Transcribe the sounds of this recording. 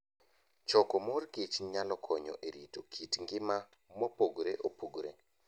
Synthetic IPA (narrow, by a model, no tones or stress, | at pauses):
t͡ʃɔkɔmorkit͡ʃɲalɔkʰɔɲɔ̰ʔeɾitokʰitŋɡɪma | mopoɡɾeʔopuɡɾḛ